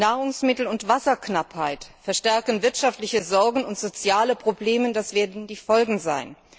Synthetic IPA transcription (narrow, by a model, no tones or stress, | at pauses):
naːʁʊŋsmɪtl̩ʊntv̥asɐknaphaɪtfɛɐʃtɛɐkənvɪɐtʃaftlɪçəzɔɐɡŋ̩ʊntz̥ot͡sjaːləpʁ̥obleːmədasv̥eːɐdn̩diːfɔlɡŋ̩za̰ɪn